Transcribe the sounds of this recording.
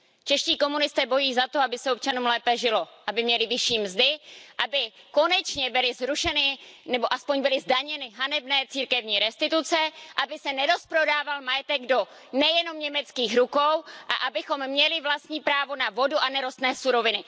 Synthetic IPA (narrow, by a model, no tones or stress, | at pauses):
t͡ʃɛʃciːko̞munɪst̪ɛːbo̞jiːzat̪o̞abɪsɛop̚t͡ʃanumlɛːpɛʒɪlo̞ʔabɪmɲɛlɪvɪʃiːmzdɪʔabɪko̞nɛt͡ʃɲɛbɪlɪzɾuʃɛnɪnɛbo̞ʔaspo̞ɲbɪlɪzdaɲɛnɪɦanɛbnɛːt͡siːɾkɛvɲiːɾɛst̪ɪt̪ut͡sɛʔabɪsɛnɛɾo̞spɾo̞daːvalmajɛt̪ɛɡdo̞ | nɛjɛno̞mɲɛmɛt͡skiːxɾuko̞wʔa̰ʔabɪxo̞mːɲɛlɪvlast̪ɲiːpɾaːvo̞navo̞duʔanɛɾo̞st̪nɛːsuɾo̞vɪnɪ